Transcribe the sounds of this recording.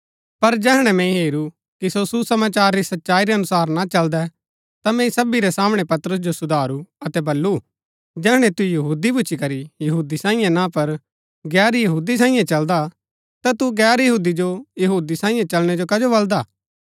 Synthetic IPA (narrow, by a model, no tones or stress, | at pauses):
pɐɾd͡ʒɛːɦɽ̃ɛmɛ̃ĩɦeːɾu | kisosusɐmaːt͡ʃaːɾːisɐtːʃaːiɾɛɐnʊsaːɾnat͡ʃɐld̪ɛ | t̪amɛ̃ĩsɐbiɾɛsaːmɽ̃ɛpɐt̪ɾʊs̬d͡ʒosʊd̪ʱaːɾuɐt̪ɛbɐlːu | d͡ʒɛːɦɽ̃ɛ̃t̪ujɐɦuːd̪ibʊːt͡ʃʰikɐɾijɐɦuːd̪isãːĩjãnãpɐɾ | ɡɛːɾjɐɦuːd̪is̬ãːĩjãt͡ʃɐld̪a | t̪at̪uɡɛːɾjɐɦuːd̪id͡ʒojɐɦuːd̪isãːĩjãt͡ʃɐlɽ̃ɛd͡ʒokɐd͡ʒobɐld̪aː